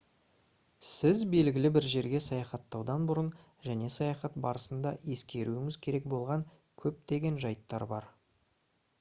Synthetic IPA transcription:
sɪzbe̞lɡʲɪlɪbɪɾʒe̞ɾɡʲe̞sɑjɑχɑt̪ːɑwd̪ɑnbʊɾən | ʒæne̞sɑjɑχɑt̪̚bɑɾəsənd̪ɑe̞skʲe̞ɾuɪŋɪzkʲʰe̞ɾe̞k̚bo̞lˠʁɑŋ | kʲʰɵp̚d̪e̞ɡʲe̞nʒɑjt̪ːɑɾbɑ̰ɾ

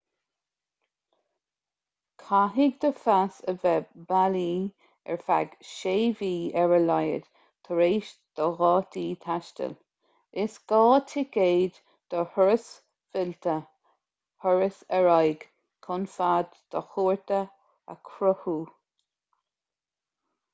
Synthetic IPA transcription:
kʰaɦiɡ̚d̪əfasəvɛbaliː | ɛ̰ɹfa̰ɡʃeːviːɛɹəlɑjə̰d̥ | t̪ʰəɾeːʃd̪̥əɣɑːt̪ʰiːt̪ʰaʃtə̰l | ɪsɡ̥ɑːt̪ʰɪɡeːd̪ | d̪̥əhɔɹəs | vɪlt̪ə | hɔɹəsɛɹajɡ̥ | kʰʊnfad̪d̪̥əxuːɹt̪ə | ə̰kʰɾʊhuː

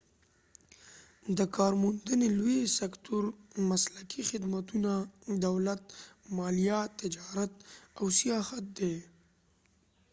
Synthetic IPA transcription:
d̪əkɑɾmund̪ənelwwesakt̪ʰʊɾmaslakʰixɪd̪mat̪unad̪awlat̪̚mɑlijat̪ːɪd͡ʒɑɾat̪̚awsijɑhat̪̚d̪e

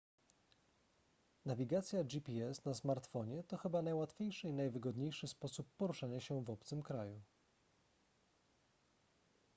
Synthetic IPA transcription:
navʲiɡat̪sʲjad͡ʑipʲiɛsnasmaɾt̪fɔɲɛt̪ɔxɘbanajwat̪fʲjejʂɘinajvɘɡɔd̪ɲejʂɘspɔsupːɔɾuʂaɲaɕɛvɔp̚t̪sɘmkɾaju

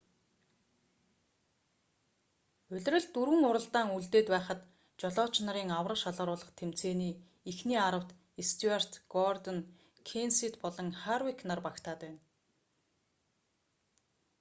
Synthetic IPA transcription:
ɵ̟ɮ̆ʲrə̆ɮt̪uɾwɘ̆ŋʊɾə̆ɮt̪aːŋuɮt̪eːt̪pæːχə̆t̪ | t͡ɕɔɮɔːt͡ɕnăɾiːŋawrə̆ʃaɮʁə̆ɾʊːɮə̆χt̪ʰem̥t͡seːniː | ixniːaɾə̆w̥t̪ | est̪ʰuar̥t̪ɡɔrt̪ɔn | kʰensit̪pɔɮɞ̆ŋχarwiknarpakt̪ʰaːt̪æːn

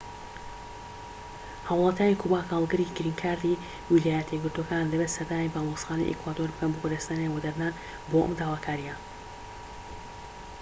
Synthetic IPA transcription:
hawlˠɑːt̪jaːnikʰubaːkhaːlˠɡɨɾiɡɨɾiŋkʰaːɾd̪i | wilaːjɛt̪ʰiɡɨɾt̪okaːnlɐbet̪sɐɾd̪aːmibaːlˠosxaːna̰jʔḛkwaːd̪oɾbɨkɐnbokoɾest̪aːnewɐd̪ɐɾnaːn | boʔə̰md̪aːwaːkʰaːɾija

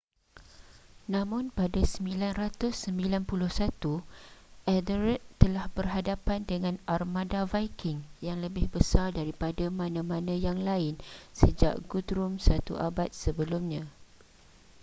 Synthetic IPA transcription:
nãmʊ̃npadasəmbilanrat̪ʊsːəmbilanpulʊhsat̪uʔɛdəɾɛt̪t̪ːəlahbərɦadapandəŋãnʔarmãdavajkʰɪŋjaŋləbɪhbəsardaɾipadamãnãmãnãjaŋlaɪnsəd͡ʒa̰ʔɡudɾʊmsat̪ṵʔabat̪̚səbəlumɲã

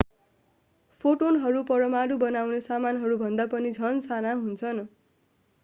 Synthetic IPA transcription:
pʰoʈonɦʌɾupʌɾʌmaɾubʌnawnesamanɦʌɾubʱʌnd̪apʌnid͡zʱʌnsanaɦunt͡sʰʌn

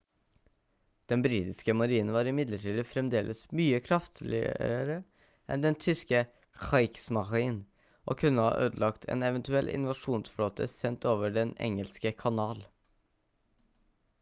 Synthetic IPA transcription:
d̪̥ɛnbɾiːt̪ɪskəmɑɾiːnn̩ʋɑːɾɪmɪd̪ləʈʰiːd̪əfɾɛmd̪eːlʔəsmyːəkʰɾɑft̪ʰlɪ̰əɾə | ʔɛ̰nd̪ɛnt̪ʰʏskə | xɑɪksmɑʁɪn | ʔo̰ːkʰʉnːəhɑ̰ːʔøːd̪əlɑkt̪ʰɛ̰ːnɛʋənt̪ʉɛlʔɪ̰nʋɑʂuːnsfloːt̪ʰəsɛnt̪ʰoːʋəɖɛnɛ̰ŋəlskəkʰɑnɑːl

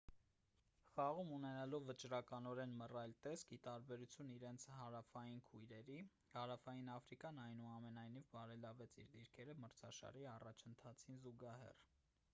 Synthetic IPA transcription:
χɑʁumunɛnɑlɔvːət͡ʃɾɑkɑnɔɾɛnmərɑjlt̪ɛskit̪ɑɾbɛɾut͡sʰjuniɾɛnt͡sʰhɑɾɑfɑjinkʰujɾɛɾi | hɑɾɑfɑjinɑfɾikjɑnɑjnuɑmɛnɑjnivbɑɾɛlɑvɛt͡sʰḭɾd̪iɾkʰɛɾəməɾt͡sʰɑ̰ʃɑ̰ɾiɑrɑt͡ʃʰənt̪ʰɑt͡sʰinzuɡɑhɛ̰r

